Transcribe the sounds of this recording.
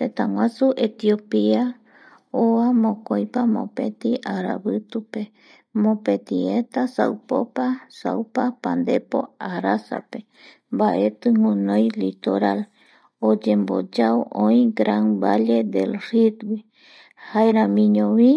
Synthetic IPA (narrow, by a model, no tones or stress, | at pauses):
t̪et̪ãwãsuʔet̪io̞pia | oamõkojpamõ̰pet̪iʔaɾa̰βɨt̪upe̞ | mõpet̪iet̪asa̰wpo̰pasa̰wpapand̪epo̞̰aɾasa̰pe̞ | mbaʔe̞t̪ɨŋũnõjlit̪oɾal | od͡ʒe̞mbo̰d͡ʒaoʔõĩɡɾanbale̞d̪ḛlrid̪wi | haeɾãmĩɲõβi